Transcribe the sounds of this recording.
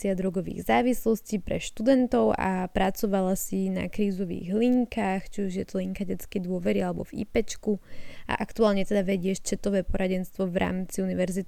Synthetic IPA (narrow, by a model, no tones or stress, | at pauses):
sɪad̪ɾɔɡɔʋḭːɣzaːʋislɔscipɾɛ̰ʃt̪ud̪ɛnt̪ɔʊa̰pɾat͡sɔʋalasina̰kɾiːzɔʋḭːɣliŋkaːxt͡ʃiuʒjɛt̪ɔliŋkaɟɛt͡skɛjd̪ʊɔʋɛɾialɛbɔ̰vḭpɛt͡ʃkuʔa̰ʔakt̪uaːlɲɛt̪ɛd̪aʋɛɟɪɛʃt͡ʃɛt̪ɔʋɛːpɔɾaɟɛnst̪ʋɔʋɾa̰ːmt͡siuniʋɛɾzit̪